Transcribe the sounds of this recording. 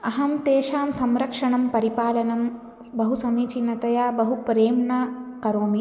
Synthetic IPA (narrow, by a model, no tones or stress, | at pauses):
ɐɦɐmt̪eːʃaːmsɐmɾɐkʂɐɳɐmpɐɾipaːlɐnɐm | bɐɦusɐmiːt͡ʃinːɐt̪ɐjaːbɐɦupɾeːmɳɐkɐɾoːmi